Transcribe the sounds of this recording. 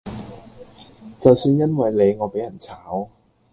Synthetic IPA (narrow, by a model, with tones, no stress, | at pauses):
t͡sɐ˨˩wsyː˧njɐ˥nwɐ˨˥jleː˨˥ŋɔː˨˧jpa˨˥jɐ˨˩nt͡sʰaː˨˦˥w